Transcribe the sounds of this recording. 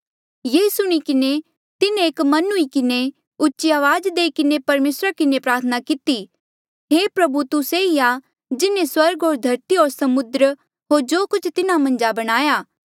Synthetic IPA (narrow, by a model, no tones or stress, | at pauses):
jeːsʊɽ̃ikɪne | t̪ɪnẽeːkmɐnuikɪne | ʊtːʃiaːʋaːd͡ʒd̪eːikɪnepɐɾmeːsɾakɪnepɾaːɾt̪ʰənakɪt̪i | ɦeːpɾɐbut̪ʊseia | d͡ʒɪnẽswɐɾɡɦoːɾd̪ʱɐɾt̪iɦoːɾsɐmʊd̪ɾ | ɦoːɾd͡ʒoːkʊt͡ʃʰt̪ɪnamɐ̃nd͡ʒabɐɽ̃aːjaː